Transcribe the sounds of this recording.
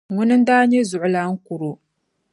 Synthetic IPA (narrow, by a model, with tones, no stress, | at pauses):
ŋʊ˦nɨ˦n˦daː˦ɲe˦zʊ˨ʔʊ˦la˨˦ŋ̩˦ku˨ɾu˨